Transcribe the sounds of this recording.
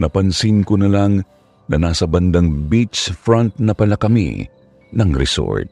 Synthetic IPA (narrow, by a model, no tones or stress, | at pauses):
nɐpɐnsɪnkonɐlaŋ | nɐnaːsɐbɐnd̪ɐŋbit͡ʃfɾɔ̃nt̪̚nɐpɐlɐkɐmḭ | nɐŋɾɛ̰so̰ɹt̪̚